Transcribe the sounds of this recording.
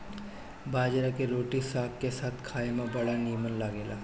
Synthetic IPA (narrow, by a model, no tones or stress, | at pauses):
baːd͡ʒɾakeɾoːʈisaːkkesaːt̪ʰkʰaːemẽbɐɽaniːmənlaːɡeːlaː